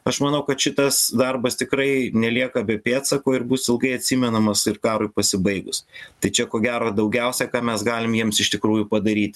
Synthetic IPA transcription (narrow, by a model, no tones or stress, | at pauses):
ɐʃmɐnɐʊkɐt̪ʃʲɪt̪ɐsd̪ɐrbɐst̪ʲɪkɾɐɪnʲɛlʲiɛkɐbʲɛpʲeːt̪sɐkoːɪɾbuːsɪlˠɡɐɪɐt̪ʲsʲiːmʲɛnɐmɐsɪrkɑːɾʊɪpɐsʲɪbɐɪɡʊst̪ɐɪt͡ʃʲɛkoːɡʲæːɾoːd̪ɐʊɡʲɛʊsʲɛkɑːmʲɛsɡɑːlʲɪmjiɛmsɪʃt̪ʲɪkɾuːjupɐd̪ɐɾʲiːt̪ʲ